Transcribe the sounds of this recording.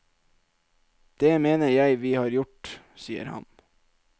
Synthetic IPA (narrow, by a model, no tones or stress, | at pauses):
d̪̥eːmeːnəɾjæɪʋiːhɑːɾjʊʈ | siːə̰ɾhɑ̰n